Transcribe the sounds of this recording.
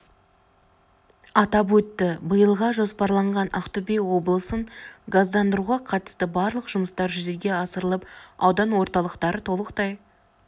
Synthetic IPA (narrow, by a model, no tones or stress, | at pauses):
ɑt̪ɑpwɵt̪ːɪbəjəlˠʁɑʒo̞spɑɾlˠɑɴʁɑnɑqt̪ubejwo̞blˠəsəɴɡazd̪ɑnd̪əɾuʁɑqʰɑt̪ə̥st̪əbɑɾlˠəqʒ̥ʊməst̪ɑɾʒʏze̞ɡʲe̞ɑsəɾəlˠəpɑwd̪ɑnwo̞ɾt̪ɑlˠəqt̪ɑɾət̪ʰo̞lˠəqt̪ɑj